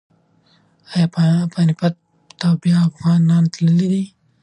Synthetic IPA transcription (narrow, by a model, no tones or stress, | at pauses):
ajɑppanɪpat̪ | t̪awbjɑːfɣɑnɑnt̪ləlid̪i